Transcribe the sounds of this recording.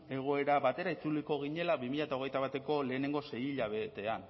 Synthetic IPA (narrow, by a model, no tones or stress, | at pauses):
e̞ɣ̞o̞e̞ɾaβat̪e̞ɾait͡suliko̞ɣ̞iɲe̞labimiʎaet̪aoɣ̞ejt̪aβat̪e̞ko̞le̞ːne̞ŋɡo̞se̞jiʎaβett̪e̞an